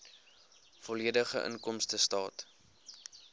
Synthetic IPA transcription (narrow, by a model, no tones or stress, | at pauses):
fɔliədəχə̰ʔə̰ŋkɔmstəstɑːt